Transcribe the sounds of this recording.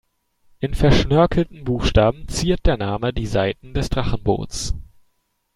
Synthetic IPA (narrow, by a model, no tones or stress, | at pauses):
ʔɪnfɛɐʃnœɐkʰl̩tn̩buːxʃtaːbm̩t͡siːɐt̚d̥eːɐnaːmədiːzaɪtn̩dɛsd̥ʁaχn̩bo̰ːt͡s